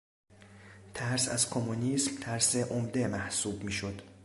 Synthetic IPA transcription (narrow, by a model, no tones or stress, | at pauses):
t̪ʰæɾsæzkʰomunismt̪ʰæɾseʔomd̪e̞mæhsuːbmiːʃod̪̥